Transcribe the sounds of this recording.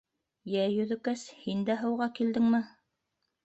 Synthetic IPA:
jæjɵ̆ðɵ̆kæshind̪æɦɤ̆wʁɑkild̪ɘŋmɘ

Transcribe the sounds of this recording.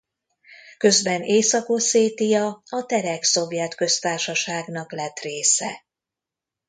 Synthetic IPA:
kø̞zbɛneːsɒkoseːt̪ijɒɒt̪ɛɾɛkso̞vjɛt̪kø̞st̪aːrʃɒʃaːɡnɒklɛt̪reːsɛ

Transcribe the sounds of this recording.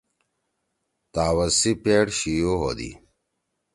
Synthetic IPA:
t̪aːwɐsipeɽɕijoɦo̰d̪ḭ

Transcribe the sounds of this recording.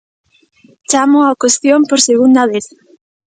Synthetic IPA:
t͡ʃamʊakwest̪jompoɾseɣ̞und̪aβeθ

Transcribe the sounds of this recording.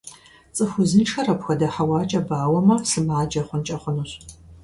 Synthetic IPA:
t͡sʼɨxʷʊzɨnʈ͡ʂʰɐrɐpxʷɐdɐħɐwaːt͡ʃʼɐbaːwɐmɐsɨmaːd͡ʒɐχʷʊnt͡ʃʼɐχʷʊnuɕ

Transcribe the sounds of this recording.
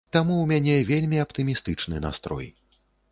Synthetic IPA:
t̪amuwmʲanʲɛvʲelʲmʲiapt̪ɨmʲist̪ɨt͡ʂnɨ̰na̰st̪ɾɔ̰j

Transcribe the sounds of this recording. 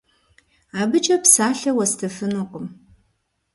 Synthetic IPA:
aːbɨt͡ʃʼɐpsaːɬɐwɐstʰɐfɨnuqʷʊm

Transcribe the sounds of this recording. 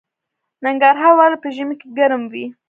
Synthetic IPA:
naŋɡaɾɦɑɾwɑləpəʒəmikeɡaɾəmwi

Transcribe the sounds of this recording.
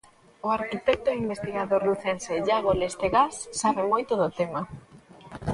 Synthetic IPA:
ʊaɾkit̪ɛk̚t̪oimbest̪iɣaðoɾluθenseʎaɣolest̪eɣasːaβemojt̪oðʊt̪ema

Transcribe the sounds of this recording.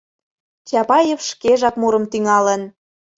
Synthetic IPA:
t͡ɕɑpɑjefʃkeʒɑkmuɾə̆mt̪yŋɑlən

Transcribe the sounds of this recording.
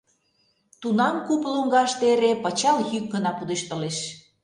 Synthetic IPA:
t̪unɑmkupluŋɡɑʃt̪eeɾepə̆t͡ɕɑljyk̚ɡənɑpud̪əʃt̪ə̆leʃ

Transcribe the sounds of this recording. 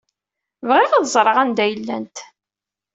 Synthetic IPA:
vʁɪʁaðzˤɾˤəʁænd̪æjəlːæ̰nt̪

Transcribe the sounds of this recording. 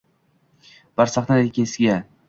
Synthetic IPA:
b̥aɾsaχnad̪ekʲʰesɪɡʲa

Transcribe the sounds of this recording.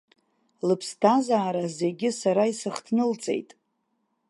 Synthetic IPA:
lɨpʰstʰazaːɾaze̞ɡʲɪsaɾaisɨχtʰnɨlt͡sʼe̞̰jtʼ

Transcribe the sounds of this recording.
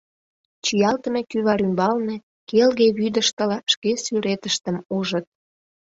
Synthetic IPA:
t͡ɕijɑlt̪əmekyβɑɾymbɑlnĕ | kelɣeβyd̪əʃt̪ə̆lɑʃkesyɾet̪əʃt̪əmuʒət̪̚

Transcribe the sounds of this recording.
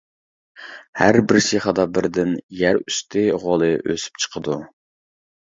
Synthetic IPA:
hæɾbɪɾsiχɑd̪ɑbɪɾd̪ɪnjæɾyst̪ʰɪʁolˠɨʔø̰sy̥p̚t͡ʃʰə̥qʰəd̪u

